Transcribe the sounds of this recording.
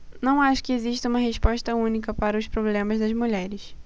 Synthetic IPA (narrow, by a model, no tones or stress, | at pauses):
nɐ̃w̃aʃʊ̥kɪeziʃt̪ɐũmɐɦeʃpɔʃt̪ɐũnikɐpaɾɐʊʃpɾoblẽmɐzd̪ɐzmuʎɛɾɪs